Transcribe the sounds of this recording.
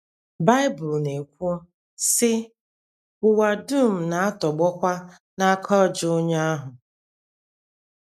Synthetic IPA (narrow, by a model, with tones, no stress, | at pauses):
ba˦ɪ˦bʊ˨lne˨kʷʊ˦ | sɪ˦ | ʊ˨wa˨du˦˨m̩˨na˨a˦tɔ˨ɡ͡bɔ˦kʷa˦ | na˦kʰɔ˦˨d͡ʒʊ˦ʊ˦ɲa˦a˦ɦʊ˨